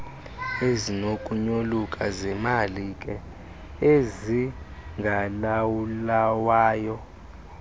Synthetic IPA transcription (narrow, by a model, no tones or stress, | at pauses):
ezinokʼuɲolukʼazɛmalikʼɛ | eziŋɡʱalawulawaːjɔ